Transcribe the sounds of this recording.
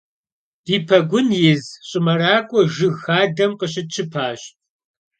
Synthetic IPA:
d̥iːpʰɐɡʷʊnjɪzɕʼɪmɐraːkʷʼɔʒɨɣxaːdɐmqəɕ̬ʼɪt͡ʃʰɨpʰaːɕ

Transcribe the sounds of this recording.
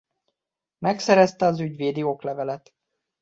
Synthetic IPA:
mɛksɛɾɛst̪ɛɒzyɟveːd̪ioklɛvɛlɛt̪

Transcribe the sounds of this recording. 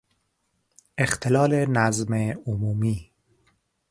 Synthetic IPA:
ext̪ʰelɒːlenæzmeomuːmiː

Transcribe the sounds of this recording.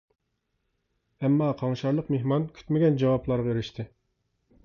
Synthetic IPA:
ɛmːɑqʰɑŋʃɑɾlˠəqmeɦmɑnkʲʰy̥t̪mɪɡʲɛnd͡ʒɑwɑplˠɑɾʁɑeɾɪʃt̪ʰɪ

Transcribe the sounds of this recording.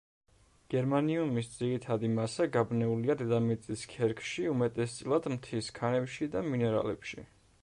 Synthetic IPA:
ɡ̥ɛɾmaniumisd̪ziɾit̪ʰad̪imasaɡabnɛuliad̪ɛd̪amɛt̪sʼiskʰɛɾkʰʃiumɛt̪ʼɛst̪sʼlˠad̪mt̪ʰiskʰanɛpʃid̪aminɛɾa̰lɛpʃḭ

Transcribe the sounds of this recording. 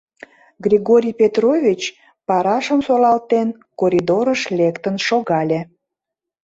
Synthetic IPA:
ɡrʲiɣoɾʲijpʲet̪rovʲit͡ɕ | pɑɾɑʃəmsolɑlt̪en | koɾʲid̪oɾəʃlʲekt̪ənʃoɣɑlʲe

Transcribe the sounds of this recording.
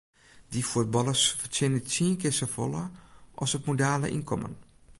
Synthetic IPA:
difut̚bɔləsfətɪnət͡siənkɪsəfo̰ləʔɔsətmodaːlə̰ʔḭnkʰɔmə̰n

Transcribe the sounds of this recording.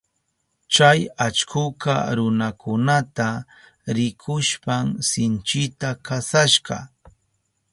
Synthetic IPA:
t͡ʃajat͡ʃkʰʊka̰ɾʊnakʰʊnat̪a | ɾɪkʰʊʃpamsɪnt͡ʃɪt̪akasaʃɢɑ̰

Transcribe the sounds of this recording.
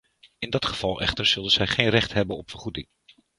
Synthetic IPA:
ɪndɑtχəv̥ɑlˠɛ̰χtəɹz̥ɵlˠdənz̥ɛjχejnrɛχtɦɛbənɔpfəɹχudɪŋ

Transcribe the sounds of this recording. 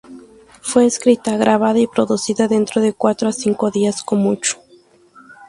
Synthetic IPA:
fwe̞ːskɾit̪aɣɾʔaβ̞aðaipɾo̞ðusiðaðe̞nt̪ɾoðe̞kwat̪ɾoasiŋko̞ðiaskomut͡ʃo̥

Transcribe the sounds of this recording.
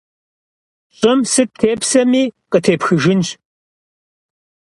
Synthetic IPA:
ɕʼɪmsɨp̚tʰeːpsɐmiːqʼətʰeːpxɨʒɪnʒ

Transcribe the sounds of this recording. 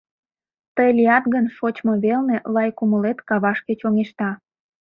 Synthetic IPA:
t̪əjlʲiɑt̪ɣənʃot͡ɕmo̽βelnelɑjkuməlet̪kɑβɑʃket͡ɕoŋeʃt̪ɑ

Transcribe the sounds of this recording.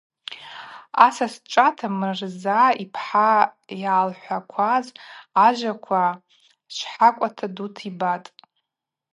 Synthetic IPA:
asasʈ͡ʂʷʼatʰamɨrzaipʰħajaːlħʷakʷʰazaʒʷakʷʰa | ʃʷħakʷʼatʰadutʰibatʼ

